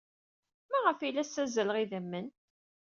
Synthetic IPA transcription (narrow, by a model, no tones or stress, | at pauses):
mæʁəfilːæsæzələʁiðəmːən